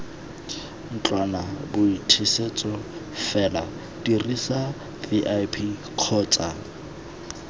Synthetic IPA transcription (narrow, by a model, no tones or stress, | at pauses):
n̩t͡ɬʼwanabʊitʰiset͡sʼɔ | fɛla | dirisa | viʔajpʰi | q͡χʰɔːt͡sʼa